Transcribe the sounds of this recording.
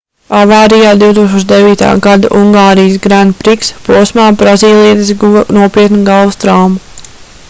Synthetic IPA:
avaːɾijaːd̪iwt̪uːksoɔʃd̪eviːt̪a̰ːɡad̪aʔuŋɡaːɾijs̬ɡɾænpɾikspuɔsmaːbɾaziːlˠijɛt̪isɡunuɔpiːət̪nuɡalˠʋust̪ɾawmu

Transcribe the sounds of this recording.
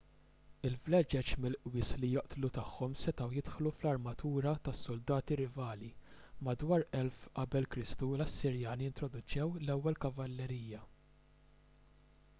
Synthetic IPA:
ɪlflɛd͡ʒɛt͡ʃmɪlʔwɪːslijɔʔt̪lut̪ɐħːɔmsɛt̪ɐwjɪt̪ħluflɐɾmɐt̪uːɾɐt̪ɐsːʊld̪ɐːt̪iɾɪvɐːli | mɐd̪wɐːɾɛlfʔɐbɛlkɾɪst̪ulɐsːɪɾjɐːnijɪnt̪ɾɔd̪ʊt͡ʃɛwlɛwːɛlkɐvɐlːɛɾiːjːɐ

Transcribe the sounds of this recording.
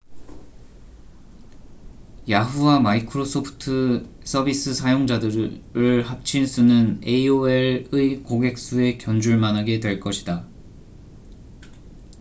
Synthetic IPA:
jaɦuwamaikʰɯɾosʰopʰɯ̥tʰɯ | s͈ʰʌbis͈ɯsʰajoŋd͡ʑadɯɾɯɭhap̚t͡ɕʰinsʰunɯneioeɭɯikoɡe̞k̚s͈ue̞kjʌnd͡ʑuɭmanaɡe̞dwe̞ɭk͈ʌɕʰida

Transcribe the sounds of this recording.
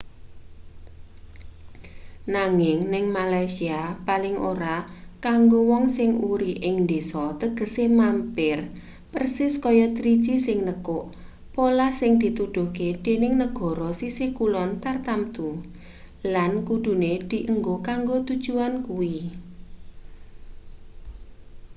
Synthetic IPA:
naŋɪŋnɪŋmalajsiapalɪŋʔoɾakaŋɡowɔŋsɪŋuɾiʔɪŋnd̪esɔt̪əɡ̥ə̤semampɪr | pərsɪskɔjɔt̪ɾid̥ʒ̥isɪŋnəkʊʔ | polahsɪŋd̪̥i̤t̪uɖ̪̥o̤ked̪̥e̤nɪŋnəɡ̥ɔ̤ɾɔsisɪhkulɔnt̪art̪amt̪u | lankuɖ̪̥ṳned̪̥i̤ʔəŋɡokaŋɡot̪ud̥ʒ̥uankui

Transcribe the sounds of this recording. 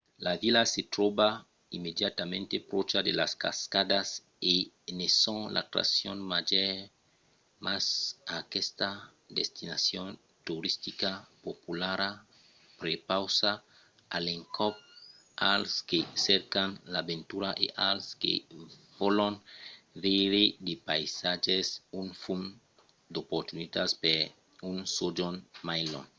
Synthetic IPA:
lavilaset̪ɾoba | imedjat̪amẽnt̪epɾot͡ʃad̪elaska̰skad̪as | e | nesõŋla̰t̪ɾa̰sjonmaʒeɾ | masakest̪a | d̪est̪inasjon | t̪uɾist̪ikapopulaɾa | pɾepawsa | aleŋkɔp̚ | alskeseɾkanlabent̪uɾaʔḛʔalskḛvolonviɾid̪epajsad͡ʒesunfun | d̪opoɾt̪unit̪aspe | unsod͡ʒonmajlo̰n

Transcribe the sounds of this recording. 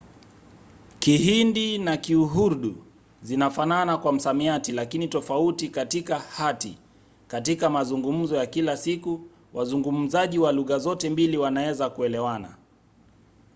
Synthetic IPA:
kiɦindinakiuɦuɾɗu | zinafananakwam̩samiatilakinitɔfautikatikahatḭ | katikamazuŋɡum̩zɔjakilasiku | wazuŋɡum̩zaʄiwaluɣazɔtɛmbiliwanaɛzakuɛlɛwana̰

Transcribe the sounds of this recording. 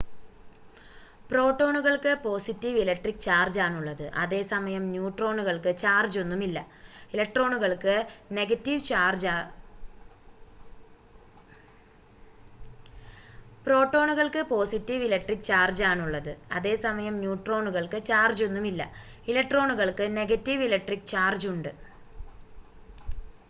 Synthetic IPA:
pro̞ːʈːo̞ːɳuɣɐɭkɨpo̞ːsitːiʋilɐk̚ʈrikːt͡ɕaːrd͡ʑaːnuɭːɐðɨʔɐ̰ðe̞ːsɐmɐjɐmnjuːʈro̞ːɳuɣɐɭkɨt͡ɕaːrd͡ʑo̞nːumilːɐ | ilek̚ʈro̞ːɳuɣɐɭkɨne̞ɣɐtːiʋt͡ɕaːrd͡ʑa | pro̞ːʈːo̞ːɳuɣɐɭkɨpo̞ːsitːiʋilek̚ʈrik̚ːt͡ɕaːrd͡ʑaːnuɭːɐðɨɐ̰ðe̞ːsɐmɐjɐmnjuːʈro̞ːɳuɣɐɭkɨt͡ɕaːrd͡ʑo̞nːumilːɐ̰ | ilɐk̚ʈro̞ːɳuɣɐɭkɨne̞ɡɐtːiʋilek̚ʈrik̚t͡ɕaːrd͡ʑuɳɖɨ

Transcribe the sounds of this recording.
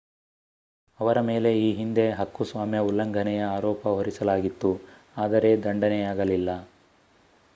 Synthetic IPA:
ɐʋɐɾɐme̞ːle̞iːɦind̪e̞ɦɐkːusʋaːmjɐulːɐŋɡʱɐnɛjɐaːɾɔːpɐɦoɾisɐlaːɡit̪ːu | aːd̪ɐɾe̞d̪ɐɳɖɐnɛjaːɡɐlilːɐ

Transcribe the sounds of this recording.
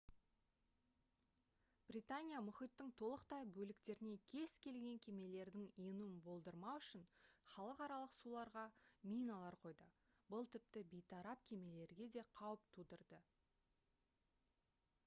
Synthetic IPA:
b̥rit̪anʲijamʊχijt̪ːɪŋt̪ʰo̞lˠəqt̪ɑjbɵlɪkt̪e̞ɾɪne̞kʲʰe̞zkʲʰe̞lɡʲe̞ŋkʲʰe̞me̞le̞ɾd̪ɪŋijnuɪnbo̞lˠd̪əɾmɑwʏʃɪnχɑlˠəqɑɾɑlˠəqsulˠɑɾʁɑmʲijnɑlˠɑɾqʰo̞jd̪ə | bəlˠt̪ʰɪp̚t̪ɪbijt̪ʰɑɾɑp̚kʲʰe̞me̞le̞ɾɡʲe̞d̪e̞qʰɑwəp̚t̪ʰud̪əɾd̪ə

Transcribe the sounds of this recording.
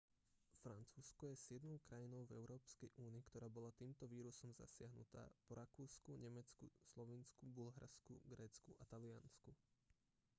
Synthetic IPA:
fɾant͡suːskɔjɛsjɛd̪nɔʊkɾajinɔʊvɛ̰ʊɾɔːpskɛjʔuːniːkt̪ɔɾaːbɔlat̪iːmt̪ɔʋiːɾusɔmza̰sɪaɦnṵt̪a̰ːpɔɾakuːskuɲɛmɛt͡skṵslɔʋinskubulɦaɾskṵɡɾɛːt͡skuʔat̪alɪansku

